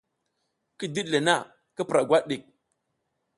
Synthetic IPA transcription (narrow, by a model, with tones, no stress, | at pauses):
ki˦di˦ɗle˨na˦˨ | ki˦pɾa˨ɡʷa˦ɗi˨k̚